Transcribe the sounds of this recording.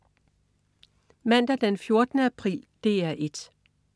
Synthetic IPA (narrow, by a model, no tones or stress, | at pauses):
mæn̰d̥æd̥enfjo̝ɐd̥ənəæpʰʁḭːld̥e̝æɐʔe̝d̥